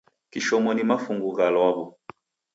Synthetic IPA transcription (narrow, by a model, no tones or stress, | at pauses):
kiʃɔmɔnimafuŋɡuɣalwaβɔ